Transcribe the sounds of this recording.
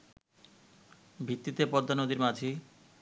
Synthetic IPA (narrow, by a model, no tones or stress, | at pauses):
bʱit̪ːit̪epɔd̪ʱːanod̪iɾmad͡ʒʱi